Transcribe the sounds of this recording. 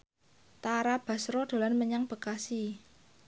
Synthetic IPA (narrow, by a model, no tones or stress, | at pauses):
t̪aɾab̥a̤sɾɔd̪̥o̤lanməɲaŋb̥ə̤kasi